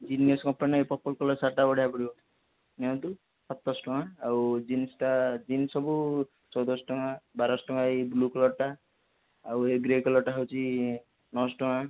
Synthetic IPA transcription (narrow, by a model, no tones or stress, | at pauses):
d͡ʒinijɔskɔmpanajpɔpːɔlkɔlɔsaʈaɔɽ̤ʱjapɔɾi | nẽd̪u | sɔt̪ːɔsʈɔŋaːwd͡ʒinsʈad͡ʒinsɔbu | t͡ʃɔwd̪ɔsʈɔŋabaɾɔsʈɔŋaibluklɔʈa | aweɡɾekɔlɔʈaɦewt͡ʃʰi | nɔsʈɔŋa